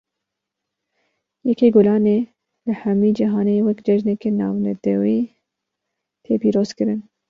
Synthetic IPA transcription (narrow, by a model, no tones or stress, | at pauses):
jɛkeːɡolɑːneː | lɨhɛmiːd͡ʒiɦɑːnewɛkd͡ʒɛʒnɛkenɑ̰ːwnɛ̰t̪ʰɛwiː | t̪ʰeːpiːɾoːzkɨɾɨn